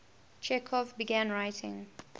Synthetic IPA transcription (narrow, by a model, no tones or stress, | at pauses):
t͡ʃɛkʰɔfbiɡãnɹajtʰɪ̰̃ŋ